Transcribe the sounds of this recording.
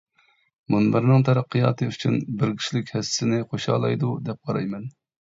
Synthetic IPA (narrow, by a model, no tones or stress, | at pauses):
munbɪɾnɨŋt̪ʰɑɾɑqːɨjɑ̰ːt̪ʰɨyt͡ʃʰynbɪɾkʲʰi̥ʃlɪkʲhɛsɪnɪχoʃhɑ̰ːlˠɑjd̪ud̪ɛp̚qʰɑɾɑ̰jmɛn